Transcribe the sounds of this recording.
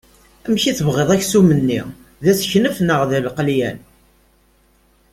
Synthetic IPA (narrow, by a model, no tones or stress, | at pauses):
æmçiθəvʁeðˤæçsumənːḭ | ðæsçnəfnəʁðəlqljæn